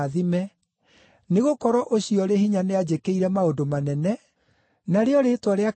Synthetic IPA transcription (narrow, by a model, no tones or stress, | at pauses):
ðimɛ | neɣokɔɾɔʔoɕiɔɾehiɲanead͡ʑekeiɾɛmaodomanɛnɛ | naɾeɔɾetwaɾea